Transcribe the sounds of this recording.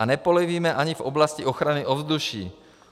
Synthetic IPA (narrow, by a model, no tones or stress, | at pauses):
anɛpoliviːmɛʔaɲivoblasciʔoxɾanɪʔovzd̪uʃiː